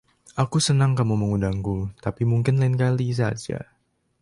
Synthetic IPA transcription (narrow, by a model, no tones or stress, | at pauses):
ʔakusənaŋkamuməŋudaŋkut̪apimuŋkɪnlaɪnkalis̬ad͡ʒa̰